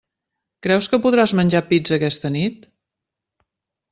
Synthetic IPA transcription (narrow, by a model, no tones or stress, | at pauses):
kɾɛwskəpuðɾazmənʲʒapid͡zəkɛst̪ənit̪